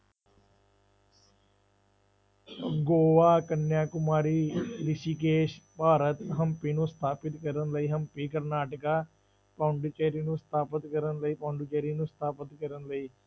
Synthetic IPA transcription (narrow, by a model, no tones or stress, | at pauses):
ɡoːʋaːkənjaːkʊmaːɾiːɾɪʃiːkeːʃpaːɾət̪ɦəmpiːnũːst̪ʰaːpɪt̪kəɾənləiːɦəmpiːkəɾnaːʈəkaː | pãːʊɳɖuːt͡ʃeːɾiːnũːst̪ʰaːpət̪kəɾənləiːpãːɳɖuːt͡ʃeːɾiːnũːst̪ʰaːpət̪kəɾənləiː